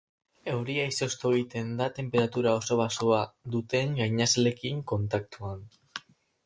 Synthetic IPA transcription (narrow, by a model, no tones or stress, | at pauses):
e̞wɾiaiso̞st̪oit̪e̞nd̪at̪e̞mpe̞ɾat̪uɾao̞so̞β̞asoad̪ut̪e̞ŋɡajɲasale̞kiŋko̞nt̪ak̚t̪uan